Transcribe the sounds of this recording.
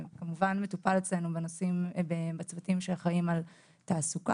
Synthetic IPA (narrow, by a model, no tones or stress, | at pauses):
kamuvanme̞tupalet͡sle̞nubenosimbebat͡svatimʃeχaimal | taːsuka